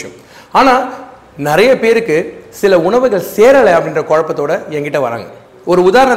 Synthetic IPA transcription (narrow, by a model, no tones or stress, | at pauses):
jɐ̰̃m | aːnaː | nɪɾɐjɐpeːɾɯkːɯsɪlɐʊɳɐʋɯɣɐɭseːɾɐlɐɐpːɐɽɪndrɐkoːɻɐpːɐt̪ːoːɽɐɛŋɡɪʈːɐʋɐ̰ɾa̰ːŋɡɐ | ɔɾɯʊðaːɾɐɳɐ